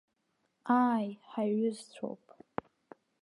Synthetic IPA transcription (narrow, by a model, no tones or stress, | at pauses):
ajħaɥʏzt͡ɕʷʰo̰wpʼ